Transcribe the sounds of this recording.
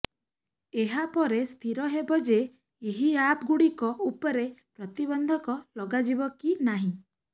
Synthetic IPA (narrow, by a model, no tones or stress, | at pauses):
eɦapɔɾest̪ʰiɾɔɦebɔd͡ʒeː | ɦiapɡuɽikɔupɔɾepɾɔt̪ibɔnd̪ʱɔkɔlɔɡad͡ʒibɔkinaɦĩ